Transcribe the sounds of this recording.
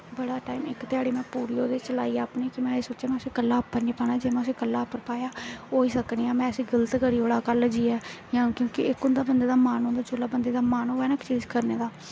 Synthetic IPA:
bəɽaːʈaːimɪkt̪ɪjaːɽiːmɛ̃ːpuːɾijoːd̪eːt͡ʃəla̰ːiːaːpneːkɪmɛ̃ːesoːt͡ʃaːmɛ̃ːʊseːkəlːaːpːəɾniːpaːnaːd͡ʒeːmɛ̃ːʊseːkəlːaːpːəɾpaːjaːoːiːsəkniːãːmɛ̃ːəsĩːɡələt̪kəɾiːɦoɽaːkəld͡ʒiːɛːjãːkjõːkɪɪkʊnd̪aːbənd̪eːd̪aːmaːnʊ̃nd̪aːd͡ʒolaːbənd̪eːd̪aːmaːnoːɛːnəkt͡ʃiːd͡ʒkəɾneːd̪aː

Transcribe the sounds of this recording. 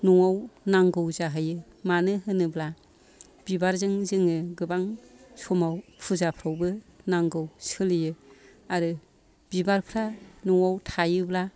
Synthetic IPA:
nɔŋawnaŋɡɯwzaɦɯjɯ | manɯɦɯnɯbla | b̥ibaɾzɯŋzɯŋɯɡɯbaŋsɔmawpʰuzapʰɾawbɯnaŋɡɯwsɯlɯjɯ | aɾɯ | bibaɾpʰɾanɔŋawtʰajɯbla

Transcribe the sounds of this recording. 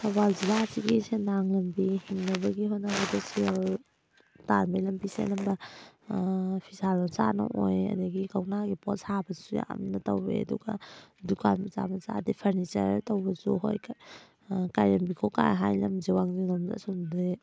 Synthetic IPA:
sabalzilasiɡisenaŋlɐmbihiŋnɐbɐɡiɦojnabɐdasil | taɾmajlɐmbisḛnɐmbɐ | pʰisaɾɔsa̰nɐ̰ʔojɐ̰dɐɡikawnaɡipɔtsabɐsuja̰mnɐtawbḛɐ̰duɡa̰dukʰanmɐza̰mɐza̰dipʰɐɾnit͡ʃɐ̰ɾtawbɐzuɦo̰j | kajɾɐmbikʰoka̰jɦajlɐmziwaŋziŋlɔmza̰sɔnde

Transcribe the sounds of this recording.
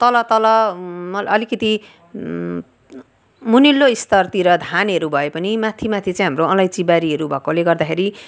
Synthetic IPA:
t̪ʌlʌt̪ʌlʌmʌʌlikʌt̪i | munilːoist̪ʌrt̪iɾʌd̪ʱanɦʌɾubʱʌepʌnimat̪ʰimat̪ʰit͡sãj̃ɦamroʌlʌjt͡sibaɾiɦʌɾubʱʌkoleɡʌrd̪akʰeɾi

